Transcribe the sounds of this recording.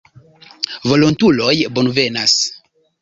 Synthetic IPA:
vo̞lontulojbonve̞nas

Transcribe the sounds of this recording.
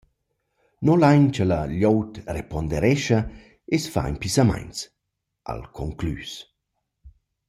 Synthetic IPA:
nɔlajɲt͡ʃəlaʎɔwtrepɔnd̪ɛɾɛʃa | esfa̰ḭnpisama̰jnt͡s | ʔa̰lkʰɔŋkly̰ːs

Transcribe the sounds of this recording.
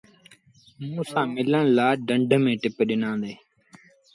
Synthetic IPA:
mũːsãːmɪləɳ̃laːɖəɳɖʱmẽːʈɪpɗɪnãːd̪eː

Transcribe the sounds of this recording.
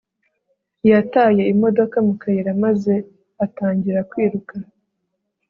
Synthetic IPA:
jataje̞imo̞do̞kamukʰajiɾamaze̞ | ataːɲɟiɾakwiːɾuka

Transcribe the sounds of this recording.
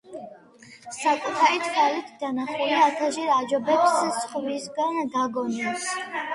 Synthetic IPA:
sakʼut̪ʰaɾit̪ʰkʰalit̪ʰd̪anaχuliat̪ʰaʒɛɾad͡ʒɔbɛpssχvisɡand̪aɡɔnɛs

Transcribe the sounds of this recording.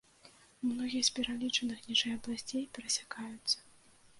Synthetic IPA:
mnɔɣʲijɐspʲɛɾalʲit͡ʂɐnɨxnʲiʐɛjɐblˠasʲt͡sʲejpʲɛɾɐsʲḁkajut̪sːɐ̥

